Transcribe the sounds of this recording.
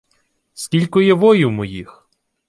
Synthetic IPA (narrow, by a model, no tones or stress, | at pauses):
skʲilʲkʊjɛʋɔjuwmɔjix